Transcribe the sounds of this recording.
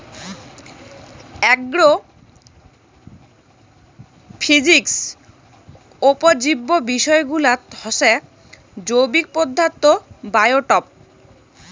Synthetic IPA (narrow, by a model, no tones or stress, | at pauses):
ɛɡɾo | pʰid͡ʑiks | opod͡ʑibːobiʃɔeɡulat̪hɔʃe | d͡ʑowbik̚pod̪ʱːat̪ːobajoʈɔp̚